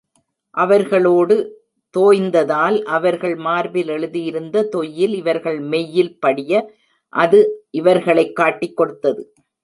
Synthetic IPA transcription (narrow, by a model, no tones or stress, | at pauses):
ʔɐʋɐɾɣɐɭoːɽɯ | t̪oːjnd̪ɐðaːlʔɐʋɐɾɣɐɭmaːɾbɪlɛɭɯðɪjɪɾɯnd̪ɐt̪ɔjːɪlɪʋɐɾɣɐɭmɛjːɪlpɐɽɪjɐ | ʔɐðɯʔɪʋɐɾɣɐɭɐɪkːaːʈːɪkːɔɽɯt̪ːɐðɯ